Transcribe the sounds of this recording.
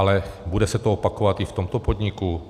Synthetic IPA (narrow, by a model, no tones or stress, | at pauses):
alɛbudɛsɛt̪oopako̞vat̪ɪft̪o̞mt̪opo̞d̪ɲɪku